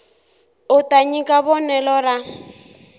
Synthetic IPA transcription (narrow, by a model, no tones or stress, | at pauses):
ʊtʼaɲikʼaβɔnɛlɔɾa